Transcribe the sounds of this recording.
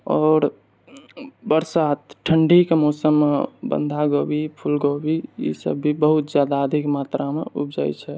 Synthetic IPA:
ɔːɾ | bəɾsat̪ʈʰəɳɖikemoːsəmːebə̰nd̪ʱaɡobipʰulɡobiḭsə̰bːibəɦut̪d͡ʒjaːd̪aəd̪ʱikmat̪ɾamḛupd͡ʒa̰jt͡ʃʰɛ

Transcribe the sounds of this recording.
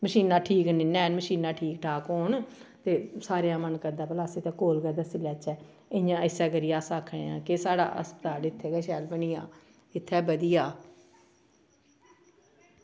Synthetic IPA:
məʃiːnaːʈʰiːknɪnːɛːnməʃiːnãːʈʰiːk̚ʈʰaːkɦoːnt̪eːsaːɾejãːmənkəd̪aːpəlaːsiːt̪ãːkoːlkəd̪aːsɪlɛːt͡ʃɛː | ɪ̃jãːɪsɛːɡəɾɪjaːsaːkʰḛ̃ã̰ːkesaːɽa̰ːʔə̰spət̪aːɽɪt̪ʰːeːɡɛːʃɛːlbəniːãː | ɪt̪ʰːɛːbəd̪ijaː

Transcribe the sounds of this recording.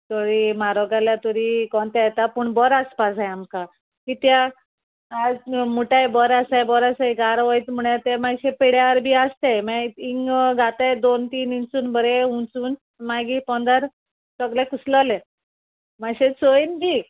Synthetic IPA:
t̪oɾiːmaɾɔɡaljat̪oɾikɔnt̪ajt̪apuɳbɔɾaspasɦajamka | kit̪jaː | d͡zmuʈajebɔɾasajbɔɾasajɡaɾʋəjt̪m̤uɳjat̪emaɡɕepeɽjaʋəɾbʱiːast̪ajmaiŋɡʱat̪ajd̪ont̪iːnint͡suːnbəɾeũt͡suːn | maɡipɔnd̪aɾ | səɡlakusləle | maɡɕet͡soinbʱiː

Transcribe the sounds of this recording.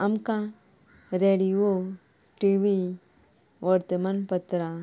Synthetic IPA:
ɐmkã | ɾeːɽio | ʈiʋi | ʋɐɾt̪əmanpət̪ɾa

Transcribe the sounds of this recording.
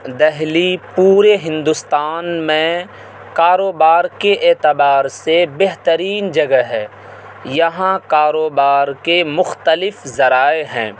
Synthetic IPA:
d̪ɛɦlipuːɾeɦɪ̃nd̪ʊst̪aːnmẽ | kaːɾoːbaːɾkeʔeːt̪ɪbaːɾsebeɦt̪əɾiːnd͡ʒɐɡəɦɛː | jɐɦãkaːɾoːbaːɾkemʊxt̪əlɪfzɐɾaːeɦɛ̰̃ː

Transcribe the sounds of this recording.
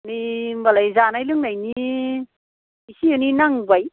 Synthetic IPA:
nimbalajzanajlɯŋnajni | isiɯninaŋbaj

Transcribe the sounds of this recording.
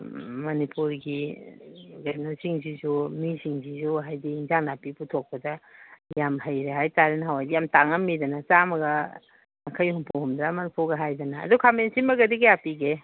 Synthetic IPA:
mɐnipuɾɡi | ɡanosiŋzizumisiŋzizuɦajdiiŋzaŋnapiputʰok̚pɐdajamhɐjɾeɦajtaɾinɦawajdijamtaŋɐmidɐnɐt͡ʃamɐɡɐ | akʰɐjhumpʰohumdɾamɐnipuɾɡɐɦajdana̰ːdukʰamensimɐɡɐdiɡɐjapiɡe

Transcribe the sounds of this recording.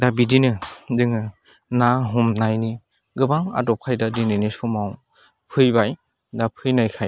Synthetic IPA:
dabidinɯzɯŋɯ | naɦɔmnajni | ɡɯbaŋa̰dɔp̚kʰajdadinɯnisɔmaw | pʰɯjbaj | dapʰɯjnajkʰaj

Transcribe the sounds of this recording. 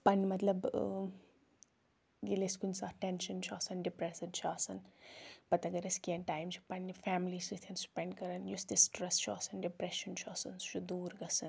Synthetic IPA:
pɐnimɐt̪lɐb | ɡeleskunsaːɾʈenʃɐnt͡ʃʰuɐsɐnɖipɾesidt͡ʃʰuɐsɐnpɐt̪ɐɡɐɾeskiẽnʈaːjmt͡ʃʰi̥pɐnːifamlisit̪ʰɐnspɛɳɖkɐɾɐnjusd̪isʈɾɐst͡ʃʰuɐsɐnɖipɾɛʃɐnt͡ʃʰuɐsɐnst͡ʃʰud̪uːɾɡɐsɐn

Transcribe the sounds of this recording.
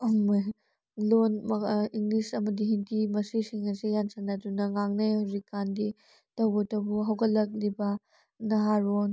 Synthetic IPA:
ma | lonmɐiŋlisɐmɐdiɦintʰimɐsisiŋɐsijansɐnɐdunɐŋaŋnajhawzikːandi | tɐwbɐtɐwbuɦɐwɡɐlːɐk̬̚libɐ | nɐɦaɾon

